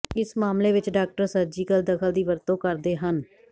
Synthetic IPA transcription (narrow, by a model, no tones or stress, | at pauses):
ɪsmaːmleːʋɪt͡ʃɖaːk̚ʈəɾsəɾd͡ʒiːkəld̪əkʰəld̪iːʋəɾt̪õːkəɾd̪eːɦən